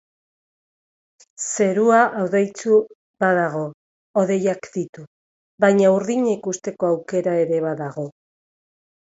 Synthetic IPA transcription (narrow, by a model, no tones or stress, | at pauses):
se̞ɾuaʔawðejt͡su | baðaɣo̞ː | ðe̞jakd̪it̪u | βajɲauɾðiɲaikust̪e̞ko̞awke̞ɾae̞ɾe̞βaðaɣo̞